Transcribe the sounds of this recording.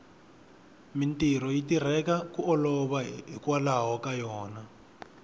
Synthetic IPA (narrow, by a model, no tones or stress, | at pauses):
mintirɔjitir̤ɛkakuʔɔlɔβaɦikwalaɦɔkajɔːna